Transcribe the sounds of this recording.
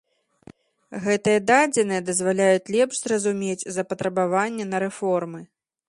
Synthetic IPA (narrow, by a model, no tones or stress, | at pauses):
ɣɛt̪ɨjɛd̪ad͡zʲɛnɨjɐd̪ɐzvalʲajut͡sʲlʲɛpʂzrɐzumʲed͡zʲzɐpɐt̪ɾɐbavanʲːɛnɐɾɛfɔrmɨ